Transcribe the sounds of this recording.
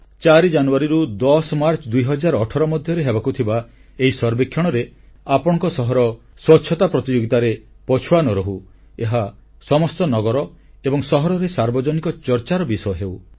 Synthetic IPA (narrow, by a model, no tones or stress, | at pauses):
t͡ʃaɾid͡ʒanuaɾiɾud̪ɔsmaɾt͡ʃʰɔd̪ujɦɔd͡ʒaɾɔːʈʰɔɾɔmɔd̪ʱjɔɾeɦebakut̪ʰiba | eɦisɔɾbekʰːjɔɽ̃ɔɾe | apɔɽ̃ɔ̃ŋkɔsɔɦɔɾɔ | swɔtːʃʰɔt̪apɾɔt̪id͡ʒoɡit̪aɾe | pɔt͡ʃʰuwanɔɾɔɦu | eɦa | sɔmɔst̪ɔnɔɡɔɾɔ | ebɔŋsɔɦɔɾɔɾesaɾbɔd͡ʒɔnikɔt͡ʃɔɾt͡ʃaɾɔbisɔjɔɦew